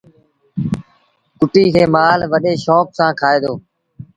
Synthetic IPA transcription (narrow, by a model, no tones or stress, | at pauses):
kʊʈiːkʰeːmaːlʋəɗeːʃɔːk̚sãːkʰaːeːd̪oː